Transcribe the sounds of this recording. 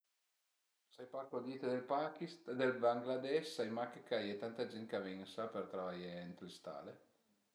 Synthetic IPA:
sajparkod̪iːt̪ed̪elpakist̪d̪elbaŋɡlad̪ɛʃsajmakekajet̪ant̪ad͡ʒɛnt̪kaveŋsapert̪ɾavajeent̪lest̪a̰ːle

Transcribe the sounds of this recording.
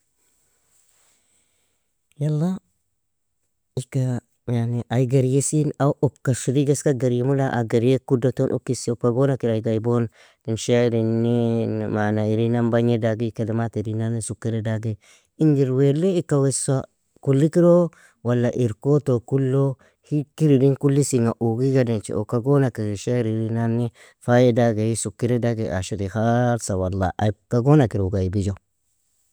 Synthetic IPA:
jalːa | ika | janiʔaiɡaɾjesinaʔopkaʃiɾiɡaskaɡaɾjemulaʔa̰ɡaɾekudotonʔṵkːisiop̚kaɡonakiɾaiɡaibon | dinʃaɾinːimanaiɾinambaɲedaɡikadamatiɾinanisukːiɾedaɡe | ind͡ʒiɾwelːiikːawesa | kulːikiɾo | walːaʔiɾkotokulːo | hikiɾidinkulːisiŋaʔuɡiɡadint͡ʃḭʔokaɡonakiɾiʃeɾiɾinanːi | fajedaɡehisukːiɾedaɡeʔa̰ʃiɾihaɾsawalːa̰ʔkaɡonakiɾoɡaibid͡ʒo

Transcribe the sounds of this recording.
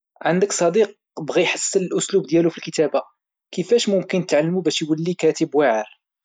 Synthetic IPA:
ʕand̪əksˤɑd̪iq̚ | bɣiħasːələlʔʊslubd̪jælufilkət̪æba | kəfæʃmʊmkənt̪ʕalːmubæʃjwəlːikæt̪əbwaʕəɾ

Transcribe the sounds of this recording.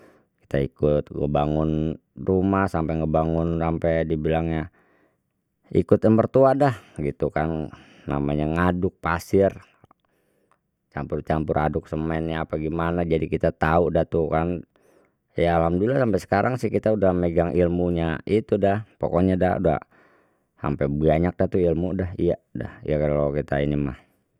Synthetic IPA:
ki̥t̪aḭkʊt̪̚ŋə̰baŋʊn | rumahsampɛŋəbaŋʊnsampɛjdibilaŋɲa | ḭkʊt̪əmpərt̪uadahɡit̪ukanː | a̰maɲaŋadʊk̚pa̰sɪr | t͡ʃa̰mpʊrt͡ʃampʊrʔa̰dʊk̚səmɛnɲaːpaɡimanad͡ʒadikit̪at̪audat̪ukan | jaːlhamdulasampɛsə̥kaɾʔaŋsɪhkit̪audahmeɡaŋʔilmuɲaʔit̪udahpo̰kɔɲada̰ṵda̰ | sa̰mpɛbiaɲak̚daht̪uilmudahḭjada̰hijakalokit̪ainima̰h

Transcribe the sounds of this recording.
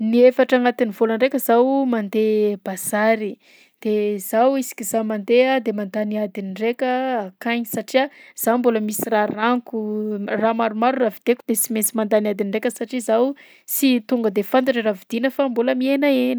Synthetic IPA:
niefaʈ͡ʂaŋat̪inivolaɳɖ͡ʐekʲəzawmand̪eb̥az̥aɾi | d̪̥ezawisi̥kʲizamand̪ead̪emand̪aniad̪iniɳɖ͡ʐekʲəakajɲisaʈ͡ʂiaz̥awmboləmisiraraŋkuramaɾumaɾuravid̪̥ekud̪esimesimand̪aniad̪iniɳɖ͡ʐekʲəsaʈ͡ʂizaw | sit̪uŋɡəd̪efant̪̬aʈ͡ʂəravid̪̥inəfamboləmienaenə

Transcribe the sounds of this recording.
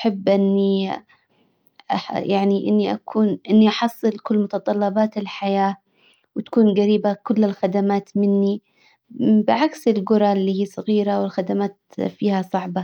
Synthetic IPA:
ʔaħɪbːʔɪnːi | aħjaʕniʔɪnːiʔa̰kʰuːnʔɪnːiʔɑħɑsˤːɨlkʊlːmʊt̪ɑt̪ˤɑlːɑbɑːt̪ɪlħajaː | wɪt̪ḁkuːnɡaɾiːbakʊlːɪlxad̪amaːt̪mɪnːi | bɪʕaksɪlɡʊɾˤɑlːiːhiːsˤɑɣiːɾawɪlxad̪amaːt̪fiːhasˤɑʕbɑ

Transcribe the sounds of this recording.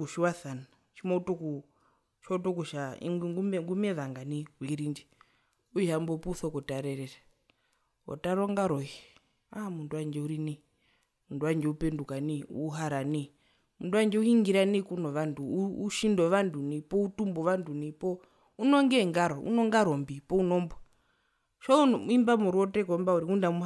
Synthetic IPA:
uʃiwaθana | t͡ʃimɔutɔku | t͡ʃɔtɔkuʃaḭŋɡumɛŋɡumɛʋaŋɡaniwiɾind͡ʒi | uambɔpuuθɔkɔtaɾɛɾɛɾa | ɔ̰taɾɔŋɡaɾɔi | amunduwand͡ʒɛuɾini | munduwand͡ʒɛupɛndukaniṵɦaɾani | munduwand͡ʒɛuhiŋɡiɾanikunɔʋanduːʃindɔʋandunipɔutumbɔʋandunipɔ | unɔŋɡɛŋɡaɾɔṵnɔŋɡaɾɔmbipɔunɔmbɔ | ʃaumimbamɔɾɔtɛkɔmbauɾiundamu

